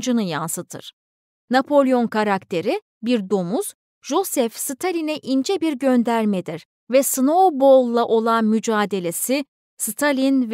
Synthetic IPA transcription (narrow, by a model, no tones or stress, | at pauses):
d͡ʒɯnɯjansɯt̪ʰɯ̰ɾ̥ | napʰo̞lʲˠio̞nkʰaɾakt̪ʰe̞ɾi | biɾd̪o̞muz̥ | ʒo̞sɛfsɯt̪ʰalʲinɛʔind͡ʒɛbiɾɟønd̪æɾmed̪iɾ̥ | vɛsɯno̞wbo̞lˠːaʔo̞lˠanmyd͡ʒaːd̪e̞lʲe̞si | sɯt̪ʰalʲinv